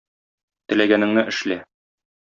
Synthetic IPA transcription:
t̪ɘ̆læɡænɘ̆ŋnɘʔɘ̆ʃlæ

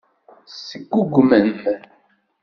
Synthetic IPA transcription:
səɡːuɡʷmən

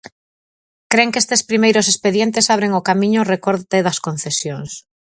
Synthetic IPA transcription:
kɾeŋkest̪espɾimejɾʊsespeðjent̪̬esaβ̞ɾeŋokamĩɲʊrekoɾt̪eðɐskon̟θesjoŋs

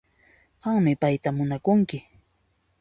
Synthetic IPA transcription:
ɢɑŋmɪpajt̪amʊnakʊŋkɪ

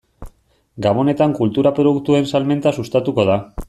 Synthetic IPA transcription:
ɡaβ̞o̞ne̞t̪aŋkult̪uɾapɾoðukt̪ue̞nsalme̞nt̪asust̪at̪uko̞ða

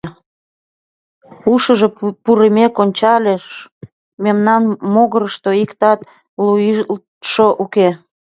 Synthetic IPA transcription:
uʃəʒe̽puɾemekonʲt͡ɕɑlʲeʃ | memnɑnmoɣəɾəʃt̪oikt̪ɑt̪ | luil | ʃoʔuke

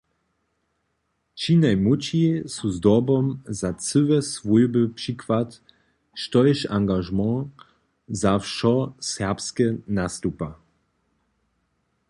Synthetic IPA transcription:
t͡ʃinajmut͡ʃiesuzd̪ɔbɔmzat͡səvɛsvujbəpʂikwat̪ | ʃtɔjɛʃãŋɡaʒmɑ̃ | zafʃɔsɛʁpskɛnast̪upa

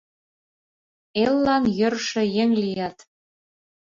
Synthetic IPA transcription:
elːɑnjø̆rʃĕjeŋlijɑt̪

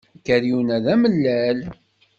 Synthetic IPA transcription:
kːæɾjunæðæməlːæl

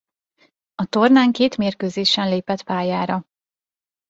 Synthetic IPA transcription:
ɒt̪o̞rnaːŋkeːt̪meːrkøːzeːʃɛnleːpɛt̪paːjaːɾɒ

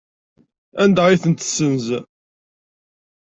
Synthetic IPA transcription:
ænd̪æʁiθənt̪sːənz

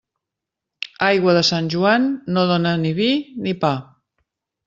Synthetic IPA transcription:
ajɣwəðəsanʲʒuanːoð̞onəniβinipa

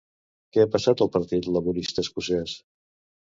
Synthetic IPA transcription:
kɛapəsat̪əlˠpəɾt̪it̪ləβuɾist̪əːskusɛs

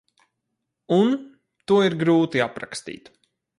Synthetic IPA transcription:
un | t̪uɔiɾɡɾuːt̪iapɾa̰kst̪ḭːt̪

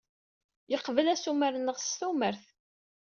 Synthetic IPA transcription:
jəqːvəlæsuməɾnːəʁst̪uməɾθ

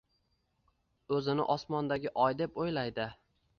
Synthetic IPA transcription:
ɵzɪnɪ̰ʔɒsmɒnd̪aɡʲɪʔɒjd̪e̞pojlajd̪ɪ

